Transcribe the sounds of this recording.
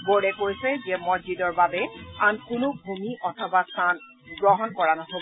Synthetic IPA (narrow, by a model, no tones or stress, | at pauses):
boɹɛkojsɛzɛmɔd͡ʒidɔɹbabɛankʊnʊbʱumiʔɔtʰɔbasan | ɡɹɔɦɔnkɔɹanɔɦob